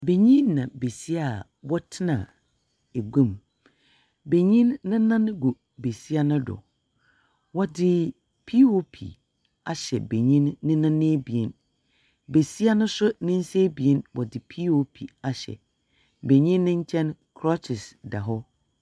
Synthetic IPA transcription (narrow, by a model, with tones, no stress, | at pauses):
be˨ɲĩ˦nː˦ã˨be˨si˦a˨ | wɔ˦tʰɪ˦nã̰˨ | e˨ɡũ˦˨m | be˨ɲĩ˦nːɪ̃˦nã˦n˦ɡu˨ | be˨si˦a˦nʊ̃˦dɔ̰˨ | wɔ˦dɪ˦ | pʰi˦wo˦pʰḭ˨ | a˨ɕɛ̰˨be˨ɲĩ˦nːɪ̃˦nã˦nẽ˦bi˨ɛ˦n | be˨si˦a˦nʊ̃˦sʊ˦nɪ̃˦n̩˦se˦bi˨e˦nwɔ˨dɪ˨pʰi˦wo˦pʰi˨a˨ɕɛ̰˨ | be˨ɲĩ˦nːɪ̃˦ɲ̩˦t͡ɕʰɛ̃˦nkʰɾɔ˦t͡ʃʰɪ˨sda˨ɦɔ˦